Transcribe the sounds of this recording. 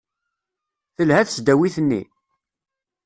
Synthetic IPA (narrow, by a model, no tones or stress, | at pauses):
θəlɦæθət͡sd̪æwiθənːḭ